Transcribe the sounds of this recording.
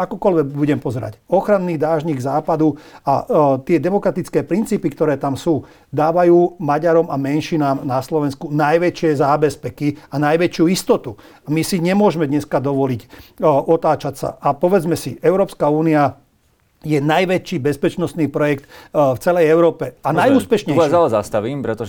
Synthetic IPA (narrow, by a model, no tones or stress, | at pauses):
akɔkɔlʋɛɡbuɟɛmpɔzɛɾa̰cɔxɾanːiːd̪aːʒɲiɡzaːpad̪uat̪ɪɛd̪ɛmɔkɾat̪it͡skɛːpɾint͡siːpikt̪ɔɾɛːt̪amsuː | d̪aːʋajuːmaɟaɾɔmamɛnʃinaːmnaslɔʋɛnskunajʋɛt͡ʃɪɛzaːbɛspɛkianajʋɛt͡ʃjuist̪ɔt̪u | amisiɲɛmʊɔʒmɛd̪ɲɛskad̪ɔʋɔlicʔɔt̪aːt͡ʃacsa̰ʔapɔʋɛd͡zmɛsiɛʊɾɔːpskauːnia | jɛnajʋɛt͡ʃiːbɛspɛt͡ʃnɔst̪niːpɾɔjɛkt̪ft͡sɛlɛjɛʊɾɔːpɛanajuːspɛʃɲɛzalɛzast̪aʋiːmpɾɛt̪ɔ